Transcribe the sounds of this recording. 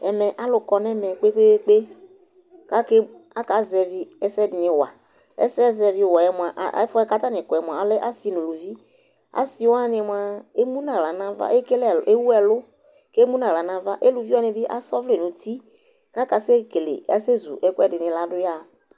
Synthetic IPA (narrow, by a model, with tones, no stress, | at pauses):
ɛ˨mɛ˨ʔa˦lʊ˨kɔ˧nɛ˦mɛ˨k͡pe˦k͡pe˦k͡pe˦ | ka˦ke˦ | a˦ka˨˦zɛ˧vi˦ɛ˦sɛ˦dɪ˨nɪ̃˨wa̰˨ | ɛ̰˦sɛ˦zɛ˧vi˦˨wɔ˨ɛ˦mʊ˨a˨ʔfɔ˦ɛ˦ka˦t̪a˦nɪ̃˨kɔ˨ɛ˨mʊ˨ã˨a˨˦lɛ˦ʔa˦si˨nũ˨lu˨vi˦ | a̰˦si˨˦wa˦˨nɪ˧˨m˨a˨e˦mũ˦nã˨la˨nã˦va̰˦e˦ke˦lɛ˨e˦wu˦ɛ˨lʊ˦ | ke˦mũ˦nã˨la˨nã˦va˦ʔe˦lu˨vi˦wɔ˦nɪ̃˨bi˦ʔa̰˦sɔ˦vle˨nũ˨tʰi˦ | ka˦ka˨˦se˦ke˨lḛ˨ɛ˦se˦zṵ˨ʔɛ˦kʊ˦ɛ˦˨dɪ˨nɪ̃˨la˦dʊ˦ja˦˨